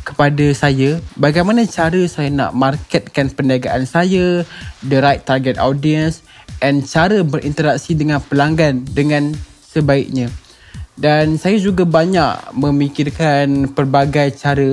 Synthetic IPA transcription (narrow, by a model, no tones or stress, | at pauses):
kə̥padasajabaɡajmanãt͡ʃaɾəsajana̰ʔmarkɛt̪̚kanpəndiaɡaʔansajadəɾajt̪ːarɡɛt̪̚adiəns | ʔɛnt͡ʃaɾəbəɾint̪əɾak̚sidəŋãnpəlaŋɡandəŋãn | səbaik̚ɲã | dansajad͡ʒuɡabaɲaʔmə̃mikirkanpərbaɡajt͡ʃaɾə